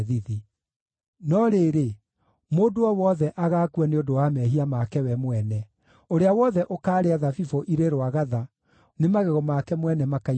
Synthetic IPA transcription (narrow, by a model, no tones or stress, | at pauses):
ðiði | nɔɾeːɾe | moːdoɔwɔðɛʔaɣaːkwaneodowaːmɛɦiamakɛwɛmwɛnɛ | oɾeawɔðɛʔokaːɾeaðafifoʔiɾeɾwaɣaða | nemaɣɛɣɔmakɛmwɛnɛmaka